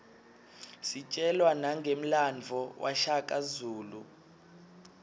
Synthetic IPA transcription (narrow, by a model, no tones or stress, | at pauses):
sit͡ʃʼɛlwanaŋɡʱem̩land͡vʱɔwʔa̰ʃakʼazuːlu